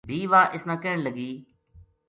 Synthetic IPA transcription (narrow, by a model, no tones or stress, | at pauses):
bʱiːʋaːʔɪsnãːkeːɳləɡiː